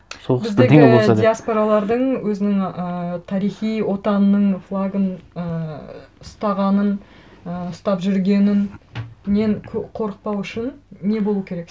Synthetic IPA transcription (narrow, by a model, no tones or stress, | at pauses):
sobɪzd̪eeosd̪ijaspo̞ɾalˠɑɾd̪əɴwɵzɪnɪŋət̪ʰɑɾijχijwo̞t̪ɑnənəɴflˠaɡənə | ʊst̪ɑʁɑnənəʊst̪ɑpʒʏɾɡʲe̞nɪnme̞ŋkʲʰɵqʰo̞ɾəq̚pɑwʏʃɪnːe̞bolˠuəkʲʰe̞ɾe̞k